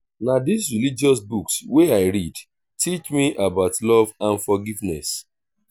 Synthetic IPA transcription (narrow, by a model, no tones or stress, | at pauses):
nadis̬ɹilid͡ʒɔs̬buksweaɪɹid | tʰit͡ʃmiʔabaʊtlɔvãnfɔɡivnɛ̰s